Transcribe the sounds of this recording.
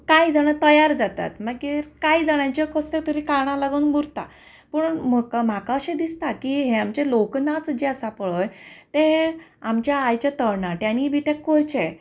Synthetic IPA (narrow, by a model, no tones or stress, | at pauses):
kaid͡zaɽ̃at̪əjaɾd͡zat̪a̰t̪makiːɾkaid͡zaɽ̃jãt͡ɕjekəst̪et̪əɾikaɳ̃ãlaɡunbuɾt̪a̰ | pəɳməkam̤akaəɕẽd̪ist̪akiɦeamt͡ɕeloknat͡sd͡ʑeəsapəɭojt̪eamt͡ɕjaːjt͡ɕjat̪əɾnat̪janibʱit̪jakoɾt͡ɕe